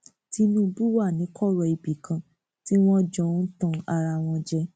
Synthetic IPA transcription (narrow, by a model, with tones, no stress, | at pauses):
ti˦nũ˦bu˦wa˦˨nĩ˨˦kɔ˦˨ɾɔ˧i˨bi˨kʰã˧ | ti˦w̃ɔ̃˦d͡ʒɔ̃˧˦tɔ̃˧a˧ɾa˧w̃ɔ̃˧d͡ʒɛ˦